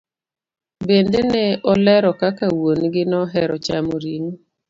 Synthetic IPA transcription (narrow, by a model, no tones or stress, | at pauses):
bendenɛɔlɛɾɔkakawonɡɪnɔɦɛɾɔt͡ʃamoɾiŋ